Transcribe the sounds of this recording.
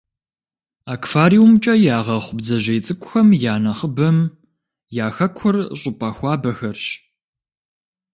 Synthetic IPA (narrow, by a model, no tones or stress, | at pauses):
aːkfaːɾiwumt͡ʃʼɐjaːʁɐχʷʊbzɐʑɐjt͡sʼɨkʷʼʊxɐmjaːnɐχəbɐm | jaːxɐkʷʰʊrɕʼʊpʼɐxʷɑːbɐxɐrɕ